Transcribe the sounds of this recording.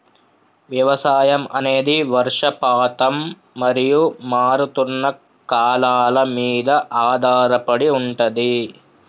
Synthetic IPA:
ʋjɐʋɐsaːjɐmɐ̰neːd̪iʋɐɾʂɐpaːt̪ɐmː | ɐɾijumaːɾut̪unːɐ | kaːlaːlɐmiːd̪ɐʔaːd̪ʱaːɾɐpɐɽiuɳʈɐd̪i

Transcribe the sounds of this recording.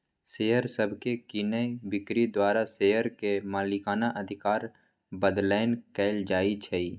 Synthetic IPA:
seːɦəɾsəbʱkekinəjbɪkɾid̪waːɾaseːjəɾkemaːlɪkaːnaʔɐd̪ʱɪkaːɾ | bəd̪laːɪnkɛːld͡ʒaːit͡ʃʰɛiː

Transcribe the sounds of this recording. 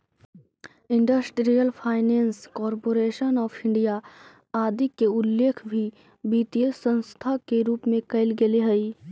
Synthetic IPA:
ɪ̃ɳɖəsʈɾijəlpʰaːɪneːnskɔːɾpoːɾeːʃənɔːpʰɪ̃ɳɖija | aːd̪ʱikːeʊlːeːkʰbʱi | biːt̪iəsə̃nst̪ʰakeɾuːpmẽkɐɪlɡeleɦɐi

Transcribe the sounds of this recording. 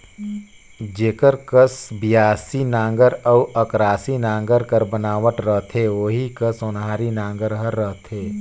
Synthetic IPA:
d͡ʒeːkəɾkəsbijaːsinãːŋɡəɾəuəkɾaːsinãːŋ̆ɡəɾkəɾbənaːʋəʈ̪ɾəɦt̪ʰɦeoːɦikəsonɦaːɾinãːŋɡəɾɦəɾːəɦt̪ʰɦeː

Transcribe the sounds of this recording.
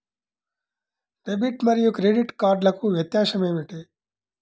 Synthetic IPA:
pebiʈmɐɾijukɾeɖiʈkaːɾɖlɐkuʋjɐt̪jaːʂɐme̞ːmiʈi

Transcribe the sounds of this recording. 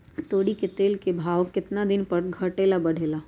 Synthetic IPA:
t̪oːɽiket̪eːlkebʱaːʋkɪt̪nad̪ɪnpɐɾɡʱɐʈeːlabɐɽ̤ʱeːlaː

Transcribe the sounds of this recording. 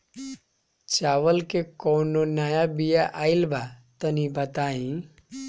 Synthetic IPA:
t͡ʃawəlkekɔwnonajabijaʔailbat̪ənibət̪aĩ

